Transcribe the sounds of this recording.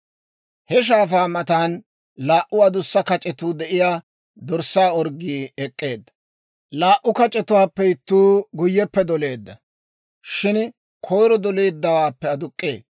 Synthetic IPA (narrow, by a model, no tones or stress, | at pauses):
hɛʃ̬aːfaːmɐt̪aːn | laːʔʊɐd̪ʊsːɐkɐt͡ʃʼɛt̪uːd̪ɛʔɪjaː | d̪ɔɾsːaːɔɾɡiːɛkʼːe̞ːd̪ːɐ̥ | laːʔʊkɐt͡ʃʼɛt̪ʊwaːpːɛɪt̪ːuːɡʊjːɛpːɛd̪ɔle̞ːd̪ːɐ | ʃɪn | kʰɔjɾɔd̪ɔleːd̪ːɐwaːpːɛɐd̪ʊkʼːḛː